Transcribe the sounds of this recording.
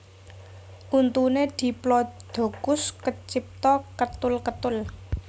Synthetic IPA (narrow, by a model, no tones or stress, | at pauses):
ʔunt̪uned̪̥i̤plɔd̪̥o̤ɡ̥ʊskət͡ʃip̚t̪ɔkət̪ʊlkət̪ʊl